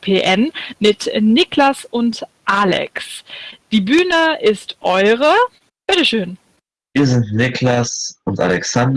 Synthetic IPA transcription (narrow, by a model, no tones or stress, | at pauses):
pʰeːʔɛnmɪtnɪklasʊntʔaːlɛ̰ksd̥iːbyːnəɪstʔɔʏʁə | b̥ɪtəʃøːn | viːɐzɪntnɪkʰlasʊnta̰lɛksand